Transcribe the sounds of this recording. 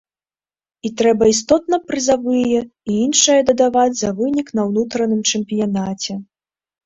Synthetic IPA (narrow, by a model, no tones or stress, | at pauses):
it̪ɾɛbɐist̪ɔt̪nɐpɾɨzavɨjɛiinʂɐjɐd̪ɐd̪avad͡zʲzɐvɨnʲiknɐwnut̪ɾɐnɨmt͡ʂɛmpʲijanat͡sʲɛ